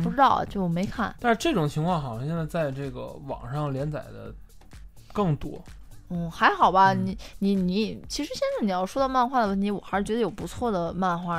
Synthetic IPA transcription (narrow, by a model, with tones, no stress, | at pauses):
pu˥˩ʈ͡ʂɻ̩˥ɑ˥˩ʊ̰˨˩t͡ɕjo˥˩ʊme˧˥ɪkʰa˥˩nt̪a˥˧nʂɻ̩˥˧ʈ͡ʂɤ˥˩ʈ͡ʂʊ˨˩ŋt͡ɕʰi˧˥ŋkʰwɑ˥˧ŋxʊʂɑ˥ŋɕjɛ˥˧nt͡sa˥˧t͡sa˥˧ɪʈ͡ʂɤ˥˩ɡə̰˩wɑ̰˨˩ŋʂɑ˥˩ŋljɛ˧˥nt͡sa̰˨˩ɪd̪ə̰˦ | kɤ˥˩ŋt̪wɔ˥n̩˥˩xa˧˥ɪxɑ˨˩ʊbɐ˦ni˧˩˦ni˧˩˥ni˧˥t͡ɕʰi˧˥ʂɻ̩˧˥ɕjɛ˥˧nt͡sa˥˩ɪni˨˩jɑ˥˩ʊʂwɔ˥d̪ma˥˧nxwa˥˩əwni˧˥wɔ˨˩xa˧˥ʂɻ̩˥˩t͡ɕɥɛ˧˥d̪ə˧jo˨˩ʊpu˧˥t͡sʰwɔ˥˩d̪ə˩ma˥˧nxwa˥˩